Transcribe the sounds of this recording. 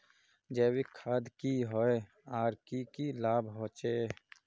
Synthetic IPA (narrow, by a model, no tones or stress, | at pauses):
d͡ʒeːwikʰaːd̪kiɦoːe | aːɾkikiːlaːbɦoːt͡ʃeː